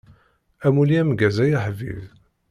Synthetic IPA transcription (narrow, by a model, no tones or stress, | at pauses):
æmuliæmɡæzæjaħvḭð